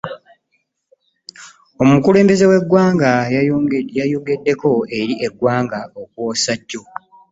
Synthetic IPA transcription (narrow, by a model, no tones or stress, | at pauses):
o̞mukule̞ːmbe̞zewe̞ɡwaːŋɡajajajoɡe̞dːe̞ko̞e̞ɾiʔe̞ɡwaːŋɡao̞kuwo̞ːsaɟːo̞